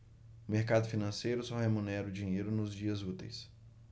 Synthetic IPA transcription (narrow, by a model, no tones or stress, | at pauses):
ʊmeɾkad̪ʊfinɐ̃sejɾʊsɔhemũnɛɾʊd͡ʒĩɲejɾʊnʊzd͡ʒiɐzut̪ejs